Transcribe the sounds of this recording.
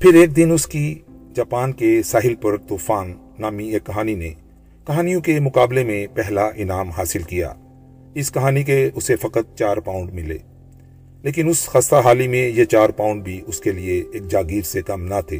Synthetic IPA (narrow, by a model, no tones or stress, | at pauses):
pʰɪɾeːk̚d̪ɪnʊskid͡ʒaːpaːnkesaːɦɪlpɐɾt̪uːfaːnː | aːmiekːɐɦaːninḛ | kɐɦaːnijõkemʊkaːblemẽpɛɦlaʔɪnaːmɦaːsɪlkija̰ː | ɪskɐɦaːnik̬eʊsefɐkət̪̚t͡ʃaːɾpãːʊ̃ɳɖmɪlḛː | leːk̬ɪnʊsxaːst̪aɦaːlimẽjet͡ʃaːɾpãːʊ̃ɳɖ̚bʱiʔʊskelieeːk̚d͡ʒaːɡiːɾsekɐmnat̪ʰḛː